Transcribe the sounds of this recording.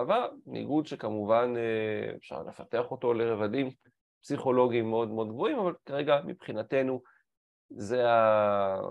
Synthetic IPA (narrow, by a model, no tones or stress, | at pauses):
vanḭɡudʃekamuvaneḛfʃa̰ʁlḛfate̞aχo̞to̞le̞ʁevadim | psiχo̞lo̞ɡimːeo̞d̪meo̞d̪ɡvo̞imavalkaʁeɡamḭpχinate̞nu | ze̞a